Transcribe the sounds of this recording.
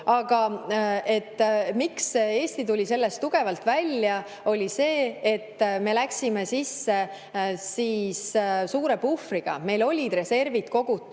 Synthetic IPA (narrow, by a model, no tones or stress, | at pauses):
ɑɡ̥ɑe̞t̪ːmikse̞ːsʲt̪it̪ulʲise̞lːe̞st̪ːuɡ̥e̞vɑlt̪vælʲjɑ | o̞lʲise̞ːet̪ːme̞læksime̞sisːe̞ | siːssuːɾe̞pufriɡ̥ɑ̰me̞jlo̞lʲid̪̥re̞se̞rvit̪ko̞ɡ̥ut̪ːˑ